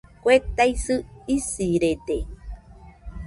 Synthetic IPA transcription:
kʷet̪ajsɨisiɾet̪e

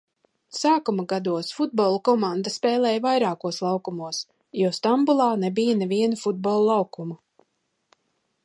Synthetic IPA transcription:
saːkumaɡad̪uɔsfud̪̚bɔlˠukɔmãnd̪aspɛːlɛːjvajɾaːkuɔslˠɑwkumuɔs | jɔst̪ambulˠɑːnɛbijanɛviɛnufud̪̚bɔlˠlˠɑwkumu

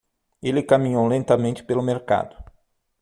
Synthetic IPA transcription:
elɪkamĩɲowlẽnt̪ɐmẽnt͡ʃɪ̥pelʊmeɾka̰d̪ʊ̥

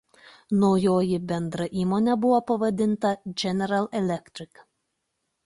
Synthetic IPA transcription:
noʊjoːjɪbʲɛnd̪ɾɐʔiːmoːnʲɛbʊʋoːpɐʋɐd̪ʲɪnt̪ɐd͡ʒʲɛnʲɛɾɐlˠɛlʲɛkt̪ʲɾʲɪk

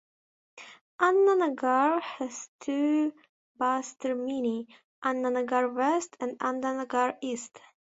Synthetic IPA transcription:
ʔanːanəɡɑɹhəz̥tʰu | bastə˞mini | ʔãnːanəɡɑɹwɛstʰæ̃ndãndanəɡɑɹist

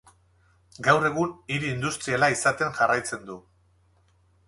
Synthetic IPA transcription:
ɡawre̞ɣ̞uniɾiːnd̪ust̪ɾialaisat̪e̞ŋʝarajt͡se̞nd̪u

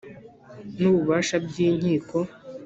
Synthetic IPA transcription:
nuβuβaːʃabɡiːɲiːko̞

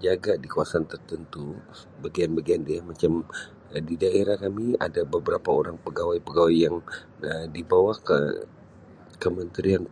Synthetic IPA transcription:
d͡ʒaɡadikuasant̪ərt̪ənt̪u | bəɡianbaɡiandiamat͡ʃam | didaeɾahkamia̰dabəbəɾapaoɾaŋpəɡawajpəɡawajːaŋ | dibawakə̰ | kəmənt̪ɾian

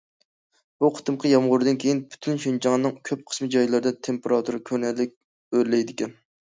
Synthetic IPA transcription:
b̥uqʰə̥t̪ʰɨmqʰəjɑmʁʊɾɨd̪ɨnkʲʰejinby̥t̪ʰynʃynt͡ʃʰɑŋnɨŋkʲʰøp̚qʰə̥smɨd͡ʒɑjlˠɨɾɨd̪ɛt̪ʰempeɾɑt̪ʰuɾɨkʲʰøɾnɛlːɪk̚ʲ | øɾlɛjd̪ɪkʲɛn

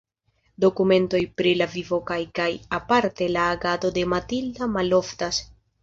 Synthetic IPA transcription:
do̞kume̞nto̞jpɾilavivo̞kajkajapaɾte̞laːɡado̞de̞matildamalo̞ftas

